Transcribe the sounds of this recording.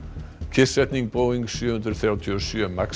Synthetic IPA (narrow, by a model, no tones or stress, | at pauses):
cʰɪ̥sɛt̪niŋk̚poːwiŋksjʏːhʏnt̪ɾɪɾθɾjawt̪ʰiɔsjœmak